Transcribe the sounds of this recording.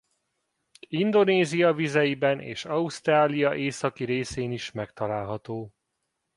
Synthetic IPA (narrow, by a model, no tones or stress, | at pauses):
ind̪o̞neːzijɒvizɛjibɛnʔḛːʃɒust̪raːlijɒʔeːsɒkiɾeːseːniʃmɛkt̪ɒlaːlɦɒt̪oː